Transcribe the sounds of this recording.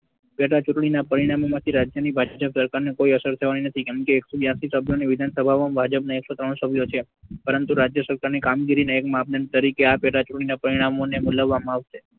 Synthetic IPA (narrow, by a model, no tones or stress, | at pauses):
pɛʈat͡ʃuʈɳ̃inapəɾiɽ̃amomãt̪ʰiɾad͡ʒjənibʱad͡ʒd͡ʒəpsəɾkaɾnekoiəsəɾt̪ʰəʋaninət̪ʰikɛmkeːksobjãsisəbʱjoneʋɪd̪ʱansəbʱaʋambʱad͡ʒəpnaeksot̪ɾəɳ̃səbʱjot͡ʃʰe | pəɾənt̪uɾad͡ʒjəsəɾkaɾnikamɡiɾineekmap̚nanit̪əɾikeapeʈat͡ʃuʈɳ̃inapəɾiɽ̃amonemuləʋːamãaʋʃe